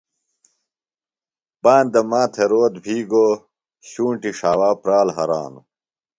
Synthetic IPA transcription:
baːnd̪ɐmaːt̪ʰeɾoːt̪bʱiːɡo | ɕuːɳʈiʂaːwaːpɾaːlɦɐɾa̰ːnu

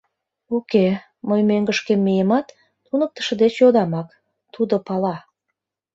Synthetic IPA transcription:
uke | məjmøŋɡəʃkemːijemɑt̪ː | unək̚t̪ə̥ʃə̆d̪et͡ɕjod̪ɑmɑk | t̪ud̪opɑlɑ

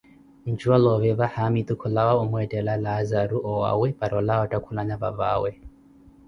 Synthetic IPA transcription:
n̩d͡ʒualɔβɛβahamit̪ukʰulawaumwɛtʼɛlalazaɾuʔɔwa̰wɛpaɾɔlaatʼakʰulaɲaβa̰βa̰wɛ

